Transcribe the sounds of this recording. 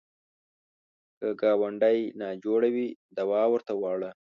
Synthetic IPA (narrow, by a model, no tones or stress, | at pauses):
kəɡɑwaɳɖajnɑd͡ʒoɽawid̪awɑwəɾt̪awɑɽə